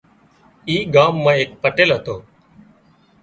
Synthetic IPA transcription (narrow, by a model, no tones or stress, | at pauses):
iːɡaːmːãːeːk̚pəʈeːlɦət̪oː